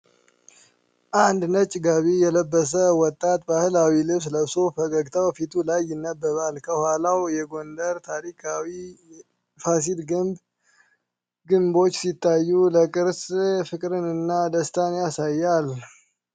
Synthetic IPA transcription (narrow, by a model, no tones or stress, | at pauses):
ʔand̪nət͡ʃʼɡaβijɛləbːəs̬əwɔt̪ʼːat̪bahɨlawilɨβs̬ləsofəkʼəɡt̪ʰawfit̪ʰulajːɪnːəbːəβalkʰəhwalawjɛɡo̞nd̪əɾt̪ʰaɾikʰawi | fas̬ilɡɨmb | ɡɨmbo̞t͡ʃːsit̪ːajːuləkʼɨɾsfɨkʼɾɨnɨnːad̪əst̪ʰanjasajːal